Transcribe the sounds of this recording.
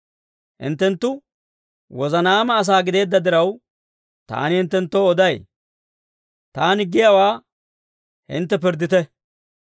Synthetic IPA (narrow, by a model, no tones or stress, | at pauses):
hɪ̰nt̪ːɛnt̪ːʊ | wɔzɐnaːmɐːs̬aːɡɪd̪e̞ːd̪ːɐd̪ɪɾɐw | t̪a̰ːnɪhɪnt̪ːɛnt̪ːoːɔd̪ɐj | t̪aːnɪɡːɪjawaː | hɪ̰nt̪ːɛpɪɾd̪ɪt̪ɛ